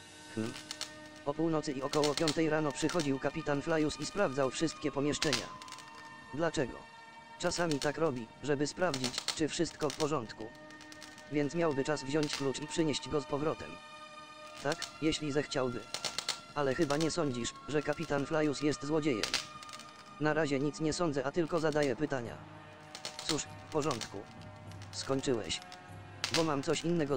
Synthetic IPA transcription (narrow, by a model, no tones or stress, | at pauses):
mm̩ | pɔpuwnɔt̪sɨiɔkɔwɔpʲjɔnt̪ɛjɾanɔpʂɘxɔd͡ʑiwkapʲit̪anflajusispɾavd̪zawfʂɘst̪̚kʲɛpɔmʲjɛʂt͡ʂɛɲa̰ | d̪lat͡ʂɛɡɔ̰ | t͡ʂasamʲit̪akɾɔbʲiʐɛbɘspɾavd͡ʑit͡ɕt͡ʂɘfʂɘst̪kɔfpɔʐɔnt̪ku | vʲjɛnt̪smʲjawbɘt͡ʂazvʑɔɲt͡ɕklut͡ʂipʂɘɲɛɕd͡ʑɡɔspɔvɾɔt̪ɛ̰m | t̪akjɛɕlʲizɛxt͡ɕawbɘ | alɛxɘbaɲɛsɔɲd͡ʑiʂʐɛkapʲit̪anflajusjɛst̪zwɔd͡ʑejɛ̰m | naɾaʑɛɲit̪sɲɛsɔnd̪zɛʔat̪ɘlkɔzad̪ajɛpɘt̪aɲa̰ | t̪suʂ | fpɔʐɔnt̪kṵ | skɔɲt͡ʂɘwɛ̰ɕ | bɔmamt̪sɔɕinːɛɡɔ